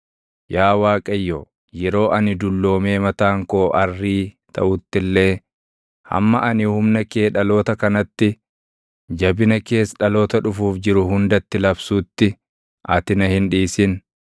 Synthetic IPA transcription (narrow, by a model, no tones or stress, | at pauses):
jaːwaːkʼɐjːo | jɛɾo̞ːʔɐnɪd̪ʊlːo̞ːme̞ːmɐt̪aːŋkoːʔɐrːiː | t̪ʰɐ̰ʔʊt̪ːɪlːe̞ː | hɐ̰mːɐʔɐnɪhʊmnɐke̞ːᶑɐlo̞ːt̪ɐkɐnɐt̪ːɪ | d͡ʒɐbɪnɐke̞ːsᶑɐlo̞ːt̪ɐᶑʊfuːfd͡ʒɪɾʊhʊnd̪ɐt̪ːɪlɐbsuːt̪ːɪ | ʔɐt̪ɪnɐhɪnᶑiːsɪn